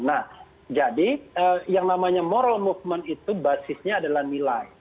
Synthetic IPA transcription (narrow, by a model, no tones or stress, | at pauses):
nah | d͡ʒadiəjaŋnamaɲamoɾalmufmɛnit̪ubasɪsɲaːdalahnilaj